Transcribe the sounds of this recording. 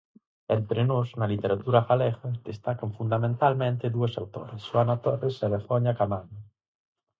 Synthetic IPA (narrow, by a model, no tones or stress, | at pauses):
ent̪ɾenosnalit̪eɾat̪uɾafalɛxad̪est̪akaɱfund̪amẽnt̪almẽnt̪eðuesawt̪o̰ɾesʃwanat̪oreselefoɲakamana